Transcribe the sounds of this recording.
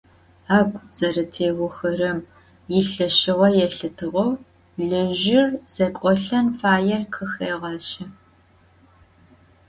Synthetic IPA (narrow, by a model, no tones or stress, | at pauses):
aːɡʷʼd͡zɐɾɐtʰeːwʊxɐrɐm | jɪɬɐʃɪʁɐjɛɬɨtʰɨʁɐw | ɮɨʒɪrz̥ɐkʷʼɔɬɐnfaːjɛrkʰɨxeːʁɐɕɪ